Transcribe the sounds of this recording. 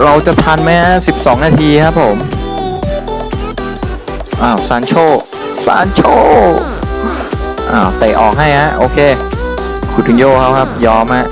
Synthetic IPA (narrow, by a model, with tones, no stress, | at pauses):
ɾa˧wt͡ɕa˨˩t̪ʰa˧nma˦˥jka˦˥si˨˩p̚sɔː˩˦ŋnaː˧t̪ʰiː˧kʰa˦˥pʰːo˩˦m | ʔaː˧˩wsaː˨˦˥nt͡ɕʰoː˥˩ | sa̰ː˨˦˥nt͡ɕʰoː˥˩ | ʔa̰ː˧˩wt̪e˨˩ʔɔ̰ː˨˩k̚ɦa˥˩jha˦˥ʔoː˧kʰeː˧ | kʰuː˨˩u˧njoː˥˩kʰa˦˥wkʰa˦˥p̚jɔː˦˥mha˦˥ʔ